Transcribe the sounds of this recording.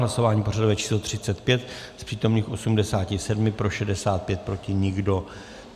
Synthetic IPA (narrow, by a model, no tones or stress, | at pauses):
laso̞vaːɲipo̞radovɛt͡ʃi̥ːslot̪r̝̥ɪt͡sɛt̪pjɛt̪ | spr̝̥iːt̪o̞mniːxʔo̞sumdɛsaːcɪsɛdmɪpɾo̞ʃɛdɛsaːt̪̚pjɛt̪̚pɾo̞cɪɲɪɡdo̞